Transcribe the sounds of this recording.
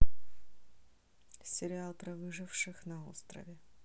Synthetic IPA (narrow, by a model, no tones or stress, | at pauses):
sʲɪɾʲɪat̪ɾɐvɨʐɨfʂɨxnɐo̰st̪ɾɐ̰vʲɪ